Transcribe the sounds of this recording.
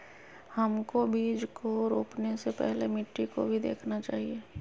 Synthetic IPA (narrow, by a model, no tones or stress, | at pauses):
hɐmkobʱiːd͡ʒkoɾoːpnesepɛ̰ɦlemɪʈːikobʱid̪ḛːkʰnat͡ʃaːɦieː